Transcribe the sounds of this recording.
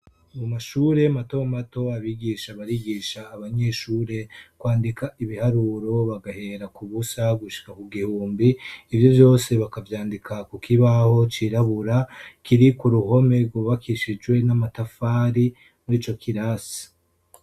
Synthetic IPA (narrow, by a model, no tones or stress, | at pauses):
mumaʃuːɾe̞matomato̞aβiɡiʃaβaɾiɡiːʃaːβaɲe̞ʃuːɾe̞kwaːndikʰaiβihaɾuːɾo̞βaɡahe̞ɾakuβusaɡuʃi̥kakuɡihuːmbiːvjo̞vjo̞ːse̞βakavjaːndikʰakukiβaho̞t͡ʃiɾaβuɾakiɾikuɾuho̞me̞ɡwoβakiʃid͡ʒwe̞namatafaːɾi | mɾiːt͡ʃo̞kʰiɾasi̥